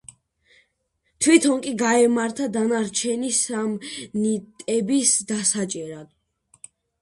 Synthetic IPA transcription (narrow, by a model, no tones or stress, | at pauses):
t̪ʰwit̪ʰɔŋkʼiɡaɛmaɾt̪ʰad̪anaɾt͡ʃʰɛnisamnit̪ʼɛbisd̪asat͡ʃʼɛɾad̪̥